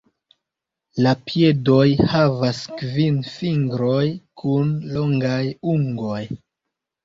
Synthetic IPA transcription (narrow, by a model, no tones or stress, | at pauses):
lapje̞do̞jhavaskvinfiŋɡɾo̞jkʰunlo̞ŋɡajuŋɡo̞j